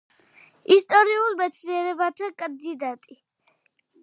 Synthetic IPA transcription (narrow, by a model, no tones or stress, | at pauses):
ist̪ʼɔɾiulmɛt̪sʰniɛɾɛbat̪ʰakʼand̪id̪at̪ʼi